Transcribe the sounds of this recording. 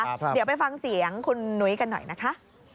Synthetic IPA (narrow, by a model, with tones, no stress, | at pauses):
ddwpa˧jfa˧ŋsi˩˦əŋkʰu˧nːu˦˥jka˧nːɔ̰˨˩jna˦˥kʰa˦˥ʔ